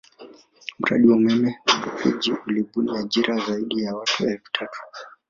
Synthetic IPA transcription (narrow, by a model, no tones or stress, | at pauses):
m̩ɾa̰ɗiwamɛmɛkapɛd͡ʒiʔuliɓuniaʄiɾazaiɗijawatuɛlfu̥tʰatʰu̥